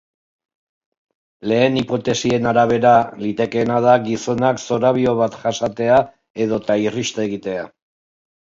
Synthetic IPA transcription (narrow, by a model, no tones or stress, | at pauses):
le̞ːnipo̞t̪e̞sie̞naɾaβ̞e̞ɾalit̪e̞ke̞ːnaðaɡiso̞nakso̞ɾaβio̞βat̪ʝasat̪e̞a | e̞ð̞o̞t̪airist̪e̞ɣit̪e̞a